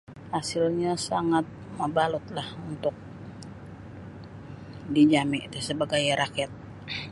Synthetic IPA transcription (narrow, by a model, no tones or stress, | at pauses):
hasɪlɲasaŋat̪̚məbalut̪̚lahunt̪ʊk̚ | did͡ʒamɪʔt̪asəbaɡajɾakɛt̪̚